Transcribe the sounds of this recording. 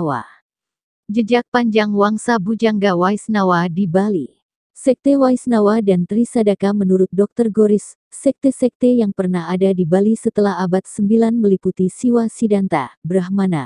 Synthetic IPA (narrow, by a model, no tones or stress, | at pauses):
wa̰ | d͡ʒəd͡ʒak̚paɲd͡ʒaŋwaŋsabud͡ʒaŋɡawaisnawadibali | sɛk̚t̪ewaisnawadant̪ɾisadakamənuɾʊt̪̚dɔk̚t̪ərɡɔɾisː | ɛk̚t̪esɛk̚t̪ejaŋpərnaɦadadibalisət̪əlaɦabat̪̚səmbilanməliput̪isiwasidant̪a̰bəɾahmana